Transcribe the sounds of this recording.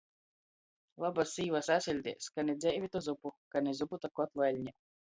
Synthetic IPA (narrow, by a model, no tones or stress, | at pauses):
lˠabasːiːvasasʲilʲd̪ʲḛskanɛd̪zʲɛʔvʲit̪ɔzupukanʲɛzuput̪akɔt̪lalʲɲʲɛ